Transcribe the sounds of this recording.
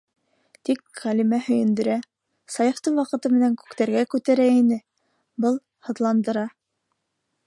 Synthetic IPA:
t̪ikʁælʲimæhɵ̆jɘ̆nd̪ɵ̆ɾæ | sɑjɤ̆ft̪ɤɴwɑqɤ̆t̪ɤmɘ̆næŋkʉ̥kt̪æɾɡækʉt̪æɾæinɘ | bɤlˠ | hɤ̆ðlˠɑnd̪ɤ̆ɾɑ

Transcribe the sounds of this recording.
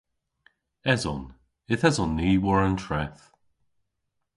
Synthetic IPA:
ɛzɔ̰n | ɪθɛzɔnːiːwɔɹəntʰɹɛθ

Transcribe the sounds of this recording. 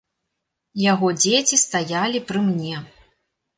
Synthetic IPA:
jaɣɔd͡zʲet͡sʲist̪ajalʲipɾɨmnʲɛ

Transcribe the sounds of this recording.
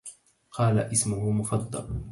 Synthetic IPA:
qʰɑːlaʔɪsmʊhʊmʊfɑd̪ˤːɑ̰l

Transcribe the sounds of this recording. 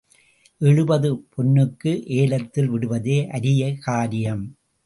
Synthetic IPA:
ʔɛɻɯbɐðɯpʰɔnːɯkːɯʔeːlɐt̪ːɪlʋɪɽɯʋɐðeːʔɐɾɪjɐkaːɾɪjɐm

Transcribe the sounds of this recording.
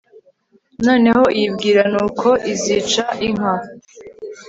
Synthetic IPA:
no̞ːne̞ho̞ʔijibɡiːɾanuːkʰo̞ʔiziːt͡ʃaʔiŋ̥ɦa

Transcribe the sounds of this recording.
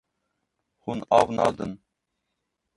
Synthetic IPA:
hunɑvnɑ̰d̪ən

